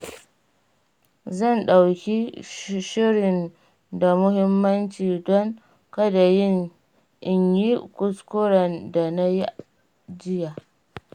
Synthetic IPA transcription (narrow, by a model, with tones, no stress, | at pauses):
zɐ˦˨nɗa˨wkʲi˦ʃɪ˦ɽɪ˨n | da˨mʊ˦ɦɪ˦mːɐ˦nt͡ʃiː˨dɔ˦ŋ | kɐ˦da˨jɪ˦˨ŋ | ʔɪ˨ɲji˦kʷʊ˨skʷʊ˦ɽɐ˨nda˨na˦ji˦ | d͡ʒɪ˦ja˨ʔ